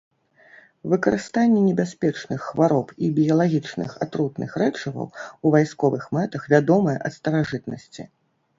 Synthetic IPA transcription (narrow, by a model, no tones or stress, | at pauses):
vɨkɐɾɨst̪anʲːɛnʲɛbʲasʲpʲɛt͡ʂnɨxːvaɾɔpibʲijɐlˠaɣʲit͡ʂnɨ̰xa̰t̪ɾut̪nɨ̰xɾɛt͡ʂɐvɐ̰wuvajskɔvɨxmɛt̪ɐxvʲad̪ɔmɐjɛʔɐt̪st̪ɐɾaʐɨt̪nɐ̰sʲt͡sʲḭ